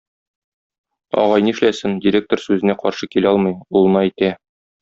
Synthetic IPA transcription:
ɒ̰ʁɑjnɤɘ̆ʃlæsɘndʲɪɾʲek̚t̪orsʉzɘ̆næqɒɾʃɤkilæɒlˠmɤjulˠɤ̆nɑæjt̪æ

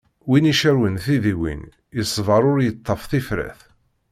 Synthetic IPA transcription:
winiʃəɾwənθiðiwḭn | jəsˤːvɑɾˤʊɾjət̪ˤːɑfθifɾæ̰θ

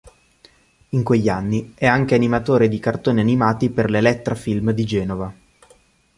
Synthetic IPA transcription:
iŋkweʎːanːiɛaŋk̟eanimat̪oːɾed̪ikart̪oːnianimaːt̪iperlelɛt̪ːeɾafilmd̪id͡ʒɛːnova

